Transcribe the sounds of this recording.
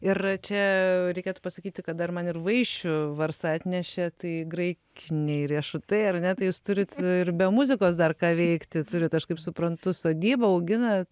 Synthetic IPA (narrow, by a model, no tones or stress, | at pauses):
ɪɾt͡ʃʲɛɾʲɛɪkʲeɛt̪ʊpɐsɐkʲiːt̪ʲɪkɐt̪̚d̪ɐrmɐnɪrʋɐɪʃʲt͡ʃʲʊʋɐɾsɑːt̪ʲnʲɛʃʲɛt̪ɐɪɡɾɐɪkʲɪnʲɛɪrʲiɛʃʊt̪ɐɪɐɾnʲɛt̪ɐɪjuːst̪ʊɾʲɪt̪ɪrbʲɛmʊzʲɪkoːsd̪ɐrkɑːʋʲɛɪkt̪ʲɪt̪ʊɾʲɪt̪ɐʃkɐɪpsʊpɾɐnt̪ʊsoːɡʲiːbɐɐʊɡʲɪnɐt̪